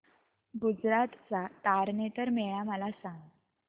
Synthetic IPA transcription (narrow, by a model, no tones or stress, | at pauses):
ɡud͡zɾat̪t͡sat̪aɾnet̪əɾmeɭaməlasãŋɡ